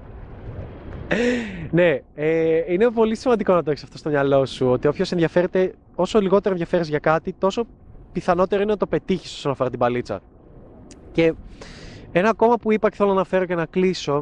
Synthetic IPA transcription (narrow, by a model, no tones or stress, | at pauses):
ne̞einepo̞lisimɐnd̪iko̞nɐt̪oçesɐft̪o̞st̪o̞mɲɐlo̞suo̞t̪ipço̞se̞nðʝɐfe̞ɾet̪e̞ | o̞so̞liɣo̞eɾenðʝɐfe̞ɾizʝɐkɐt̪it̪o̞so̞ | piθɐno̞t̪e̞ɾoinenɐt̪o̞pe̞t̪içi̥so̞sonɐfoɐt̪ibɐlit͡sɐ̰ | ce̞ | enɐko̞mɐpuipɐceθelonɐnɐfe̞ɾoce̞nɐkliso̞